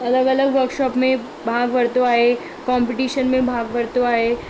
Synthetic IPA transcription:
ɐləɡələɡʋəɾkʃɔːpmẽ | bʱaːɡʋəɾt̪oaːɦe | kɔmpɪʈiːʃənmẽbʱaːɡʋəɾt̪oaːɦe

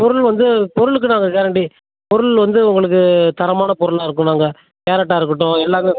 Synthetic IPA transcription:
pɔɾɯɭʋɐnd̪ɯpɔɾɯɭɯkːɯnaːŋɡɐkeːɾɐɳɖi | pɔɾɯɭʋɐnd̪ɯʊŋɡɐɭɯk̬ːɯt̪ɐɾɐmaːnɐpɔɾɯɭaːɪɾɯkːʊ̃naːŋɡɐ | keːɾɐʈ̬ːaːɪɾɯkːɐʈːõɛlːaːmɯ

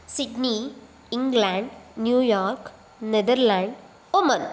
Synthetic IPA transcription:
sɪɖni | ɪ̃ŋɡlãɳɖnjuːjaːɾk | nɛd̪əɾlãɳɖ | ʊmɐ̃n

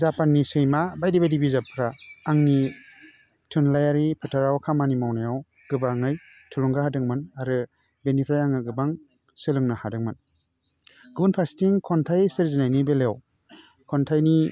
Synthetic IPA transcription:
zapanːisɯjmabajdibajdibizapʰɾaːŋni | tʰɯnlajaɾipʰɯtʰaɾawkʰamanimawnajaw | ɡ̥ɯbaŋɯj | tʰuluŋɡahadɯŋmɯnaɾɯ | benipʰɾajaŋɯɡɯbaŋ | sɯlɯŋnahadɯŋmɯn | ɡɯbɯnpʰɾastiŋkʰɔntʰajsɯɾzinajnibeleja̰w | kʰɔntʰajni

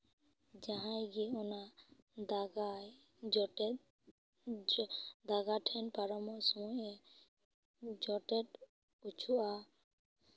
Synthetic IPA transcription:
d͡ʒaɦãjɡiɔna | d̪aɡaj | d͡ʒ | d̪aɡaʈʰɛnpaɾɔmɔsɔmɔjɛ | d͡ʒɔʈɛʈ | ut͡ʃʰuʔa

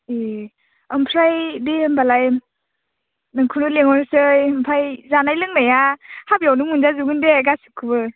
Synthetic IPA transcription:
e | ɯmpʰɾajdiɯmbalaj | nɯŋkʰunuleŋɔnsɯjɯmpʰajzanajlɯŋnajahabjawnɯŋunzazuɡɯndeɡasɯkʰːɯbɯ

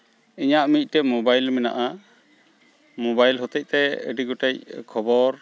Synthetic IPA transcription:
iɲaʔmic̚ˀʈɛmobajlmɛna̰ʔa | mɔbajlɦɔt̪ɛc̚t̪ɛə̰ɖiɡɔʈɛc̚kʰɔbɔɾ

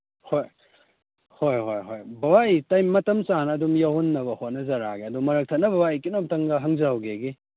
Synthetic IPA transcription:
hoj | hojɦojɦojbɐbaitajmːɐtɐmsanːdumjahunːɐbɐhot̚nɐzɐɾaɡiɐdumːɐɾɐk̚tʰɐt̚nɐbɐwaikinomtɐŋɡɐɦɐŋzɐhɐwɡeɡi

